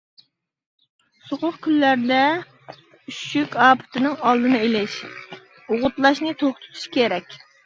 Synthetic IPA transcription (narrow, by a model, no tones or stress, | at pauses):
soχʊqkʲʰylːæɾd̪ɛ | yʃykʲɑːpʰɨ̥t̪ɪnɨŋɑlˠd̪ɨnɨelɪʃ | ʊʁʊt̪lˠɑʃnɨt̪ʰoχt̪ʰʊ̥t̪ʰu̥ʃkʲʰeɾɛkʲ